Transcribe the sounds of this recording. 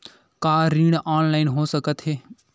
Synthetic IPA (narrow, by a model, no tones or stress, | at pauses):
kaːɾiːɽaːnlaːɪnɦoːsəkət̪ɦeː